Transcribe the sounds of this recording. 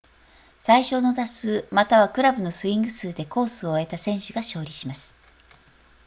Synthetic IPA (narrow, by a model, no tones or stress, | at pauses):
saiɕo̞ːno̞d̪asɨːmat̪aβ̞akɯ̟ɾabɯ̟no̞sɨĩŋɡɯsɨːd̪e̞ko̞ːsɨo̞e̞t̪asẽ̞ɰ̃ɕɨɡaɕo̞ːɾʲiɕimasɨ̥